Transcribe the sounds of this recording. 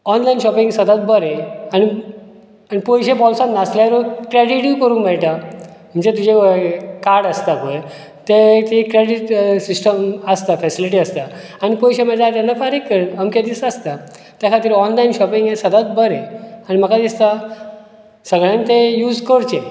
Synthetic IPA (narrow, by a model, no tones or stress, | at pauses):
ɔnlajnɕɔpiŋɡsəd̪at̪̚bəɾẽani | anipɔjɕepɔlsãnnasljaɾukɾeɖiʈikəɾũmɛɭʈa | m̤əɳd͡ʑet̪ud͡ʑʱekaɾɽəst̪akoe | t̪et̪ikɾeɽiʈsisʈəməst̪afɛsiliʈ̬iːəst̪a | anipɔjɕem̤əd͡ʑat̪anːafaɾikːəɾnəmked̪isəst̪a | t̪jakʰat̪əɾiɔnlainɕɔpiŋɡesəd̪at̪bəɾẽañim̤əkad̪ist̪a | səɡɭjãnt̪ejuːd͡zkəɽt͡ɕe